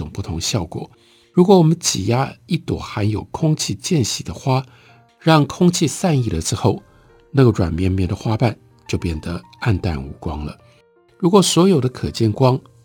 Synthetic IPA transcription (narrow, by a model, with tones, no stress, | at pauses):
ʊ˨˩ŋpu˥˩t̪ʰʊ˧˥ŋɕjɑ˥˩ʊkwɔ̰˨˩˦ | ɻu˧˥kwɔ˧˥wɔ˨˩mə˦nt͡ɕi˨˩ja˥i˥˩t̪wɔ̰˨˩˦xa˧˥njo˨˩ʊkʰʊ˥ŋt͡ɕʰi˥˧t͡ɕjɛ˥˧nɕi˨˩d̪ə˦xwa˥ | ɻɑ˥˩ŋkʰʊ˥ŋt͡ɕʰi˥˧sa˥˧ni˥˩lə˩ʈ͡ʂɻ̩˥xo˥˩ʊ | na˥˩ɡə˩ʈ͡ʂwa̰˨˩nmjɛ˥nmjɛ˥˩nd̪ə˩xwa˥pa˥˩n | t͡ɕjo˥˧ʊpjɛ˥˩nd̪ə˦ | a˥˧nt̪a̰˥˩nṵ˧˥kwɑ˥ŋlə̰˨˦ | ɻu˧˥kwɔ˨˩swɔ˧˥jo˨˩ʊd̪ə˦kʰɤ˨˩t͡ɕjɛ˥˩nkwɑ˥ŋ